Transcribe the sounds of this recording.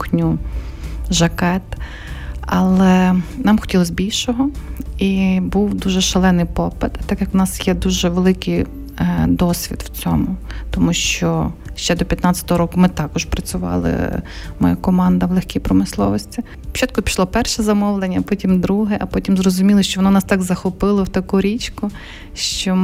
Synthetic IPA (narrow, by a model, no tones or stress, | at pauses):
knʲu | ʒɐkɛt̪ | ɑlˠɛnɑmxɔtʲilˠɔsʲbʲilʲʃɔɦɔibuwd̪uʒɛʃɐlˠɛnɪjpɔpɪt̪t̪ːɑkjɐkʊnɑsjɛd̪uʒɛʋelˠɪkɪj | d̪ɔsʲʋʲḭd̪wt͡sʲɔmʊt̪ɔmuʃt͡ʃɔʃt͡ʃɛd̪ɔpʲjɐt̪nɑt͡sʲɐ̥t̪ɔɦɔɾɔkʊmɪt̪ɑkɔʃpɾɐt͡sʲʊʋɑ̰lˠɪ̰mɔ̰jakɔmɑnd̪ɐʋlˠexʲkʲijpɾɔmɪslˠɔ̰ʋɔsʲtʲi̥ | t͡ʃɑt̪̚kɔpʲi̥ʃlˠɔpɛrʃɛzɐmɔʋlˠenʲːɐpɔtʲimd̪ɾuɦɛʔɐpɔtʲimzrɔzʊmʲilˠɔʃt͡ʃɔʋɔnɔnɑst̪ɑɡzɐxɔpɪlˠɔwt̪ɐkuɾʲit͡ʃkʊ | ʃt͡ʃɔ